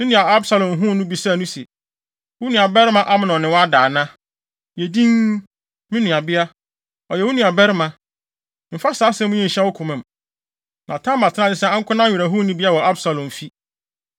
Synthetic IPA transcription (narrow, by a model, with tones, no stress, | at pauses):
mɪ̃˦nʊ̃˨a˨a˦bsa˨lɔ̃˨mɦʊ̃˦nʊ̃˦bi˨sa˦˨nʊ̃˦sɛ̰˨ | wʊ˦nũ˨a˨bɛ˦ɾɪ˦mã˦ʔa˦mɪ̃˦˨nɔ̃˨nɪ̃˨wɔ˦a˦daː˨nã˦ | jɛ˨dĩ˦ŋ | mɪ̃˦nũ˨a˨bɪ˦a˦ | ɔ˨jɛ˨wʊ˦nũ˨a˨bɛ˦ɾɪ˦mã˨ | m̩˨fa˦saː˨˦sɛ̃˦mʊ̃˦ɲĩ˦˨n̩˨ɕɛ˦wʊ˦kʰʊ̃˨mɪ̃˨m˨ | nʔã˨tʰã˦m˦ba˨tʰɪ˦ã˦˨ɪ˦sɛ˦ã˦ŋ̩˦kʰʷʊ˦nã˦˨ɾa˨ɦʊ̃˦nĩ˦bɪ˦a˦wɔ˨a˦bsa˨lɔ̃˨mfi˦